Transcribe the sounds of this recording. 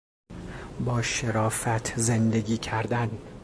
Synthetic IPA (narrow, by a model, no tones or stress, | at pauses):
bɒːʃeɾɒːfæt̪ʰzend̪e̞ɡiːcʰæɾd̪æn